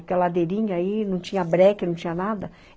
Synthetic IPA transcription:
kɛlad̪eɾĩɲɐainɐ̃w̃t͡ʃĩɲɐbɾɛkɪnɐ̃t͡ʃĩɲɐnad̪ɐ

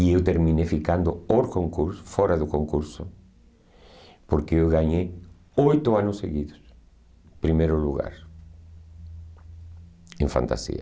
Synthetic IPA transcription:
iewt̪eɾmĩnefikand̪ʊoɾkoŋkuɾsfɔɾaðʊkoŋkuɾsʊ | poɾkɪewɣaɲej | ojt̪ʊanʊsːḛɣiðʊs | pɾimejɾʊluɣa̰ɾ | ẽɱfã̰nt̪a̰sḭɐ̰

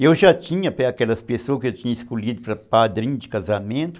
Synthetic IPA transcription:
ewʒat͡ʃĩɲɐpɛakɛlɐspesoɐskɪewt͡ʃĩɲɐiskoʎid̪ʊpɾɐpad̪ɾĩɲʊd͡ʒɪkazamẽnt̪ʊ̥

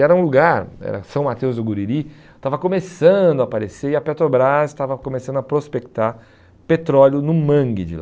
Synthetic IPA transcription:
ɛɾɐũluɡaɾɛ̰ɾɐ̰sɐ̃w̃mat̪ewzd̪ʊɡuɾiɾi | t̪avɐkõmesɐ̃d̪ʊapaɾeseɾiɐpet̪ɾobɾazɪ̥st̪avɐkõmesɐ̃nd̪ʊɐpɾospekt̪aɾ | pet̪ɾɔljʊnʊ̃mɐ̃ŋɡɪd͡ʒɪ̰la

